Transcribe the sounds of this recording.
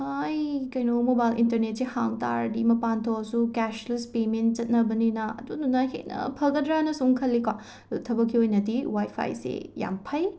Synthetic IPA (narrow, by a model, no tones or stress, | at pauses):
hajkɐjnomobajlintɐɾnet̚sehaŋtʰa̰ɾdimɐpantʰowɐsukɛslispement̚t͡ʃɐt̚nɐbɐninɐɐ̰dudunɐhḛnɐ̰pʰɐlɡɐdɾanɐsuŋkʰɐlːikwa | tʰɐbɐkʰːiojnɐdiwajpʰa̰jsḛja̰mpʰɐj